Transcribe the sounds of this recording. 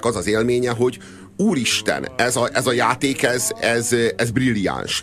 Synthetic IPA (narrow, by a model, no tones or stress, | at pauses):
kɒzɒzeːlmeːɲɛɦo̞ɟ | uːliʃt̪ɛ̰nɛzɒʔɛzɒjaːt̪eːkɛzɛzɛzbrilja̰ːnʃ